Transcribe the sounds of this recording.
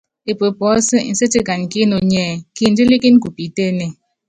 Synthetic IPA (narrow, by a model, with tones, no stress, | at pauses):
e˨pə˨pɔ˨˦sə˦n̩˨se˦ti˦ka˨n˨ki˦no˨ɲɛː˦˨ki˦˨n̩˦di˦li˦ki˦n˦ku˨pi˨te˦ne˨